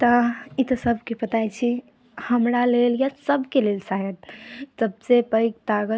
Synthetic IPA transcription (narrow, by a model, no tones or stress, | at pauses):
t̪ɔit̪ɔsəbʱkepət̪ajt͡ʃʰi | həmɾaleljasəbʱkelelsaɦət̪̚səbsepəɪk̚t̪aɡə